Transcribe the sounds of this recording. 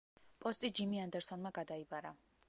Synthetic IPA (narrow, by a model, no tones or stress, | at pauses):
pʼɔst̪ʼid͡ʒimiand̪ɛɾsɔnmaɡad̪aibaɾa